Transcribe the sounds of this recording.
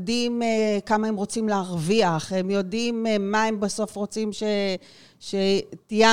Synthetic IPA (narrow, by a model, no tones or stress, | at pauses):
dimekamaemʁo̞t͡simleaʁviaχhemjo̞dimmaembaso̞fʁo̞t͡simʃe | ʃetija